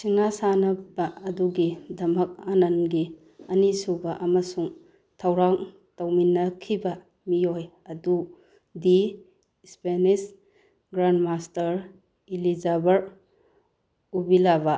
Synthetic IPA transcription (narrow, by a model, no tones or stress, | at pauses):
sʰiŋnasanɐbɐɐduɡidɐmɐk̚anɐnɡi | ɐnisubɐʔɐmɐsuŋ | tʰɐwɾaŋ | tɐwminːɐkʰibɐ | mioj | ɐdu | di | spenis | ɡɾandmastɐɾ | ilizabɐɾ | ubilabɐ